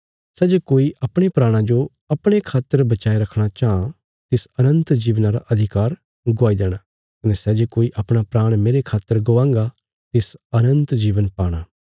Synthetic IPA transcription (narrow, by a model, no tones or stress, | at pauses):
sɛːd͡ʒekoːiʔɐpɽ̃epɾaːɽ̃ãd͡ʒo | ɐpɽ̃ekʰaːt̪ːəɾbɐt͡ʃaːeɾɐkʰɽ̃at͡ʃaːã | t̪ɪsɐnə̃nt̪d͡ʒiːʋnãɾa̰ʔɐd̪ʱɪkaːɾ | ɡʊaːid̪eːɽ̃a | kɐnɛsɛd͡ʒekoːiʔɐpɽ̃apɾaːɽ̃meːɾekʰaːt̪ːəɾɡoːãːŋɡa | t̪ɪsɐnə̃nt̪d͡ʒiːʋənpaːɽ̃aː